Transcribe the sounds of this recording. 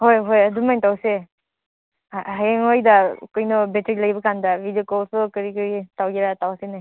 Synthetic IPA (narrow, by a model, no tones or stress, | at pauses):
hojɦojɐdumajntawse | ɦajeŋojdakɔjnɔbetɾilajbɐkandɐbidiokɔlsɔkɐɾikɯɾitawɡeɾatawasenaj